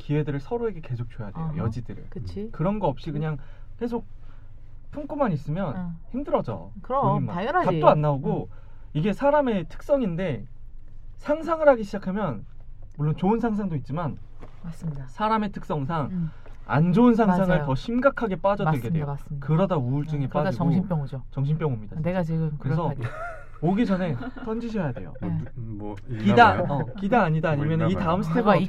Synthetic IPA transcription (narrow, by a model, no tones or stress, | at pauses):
kiwe̞dɯɾɯɭsʰʌɾoe̞ɡe̞ke̞sʰok̚t͡ɕojade̞̰jo̰jʌd͡ʑidɯɾɯ̰ɭkɯt͡ɕʰikɯɾʌnɡʌʌp̚ɕ͈ikɯɲaŋ | ke̞s̬ʰok̚ | pʰuŋk͈umanis͈ɯmjʌnçimdɯɾʌd͡ʑʌ̰ | oimmaat͈oanːaoɡo | iɡe̞sʰaɾame̞tʰɯ̥k̚s͈ʌŋinde̞ | sʰaŋs̬ʰaŋɯɾaɡiɕʰid͡ʑakʰamjʌnmuɭːont͡ɕoɯnsʰaŋsʰaŋdoit̚t͡ɕ͈iman | massʰaɾame̞tʰɯ̥k̚s͈ʌŋs̬ʰaŋ | a̰nd͡ʑoɯnsʰaŋsʰaŋɯɭtʌɕʰimɡakʰaɡe̞p͈ad͡ʑʌdɯɭɡeweoskɯɾʌdauuɭt͡ɕ͈ɯŋep͈aɯip͈jŋut͡ɕʌŋɕʰimp͈jʌŋumɲid̥akɯɾesʰʌ | oɡit͡ɕʌne̞tʰʌnd͡ʑiɕʰʌjade̞jo̰ | kidakidaːɲidaːɲimjʌnɯnitaɯmsʰɯ̥tʰeɡ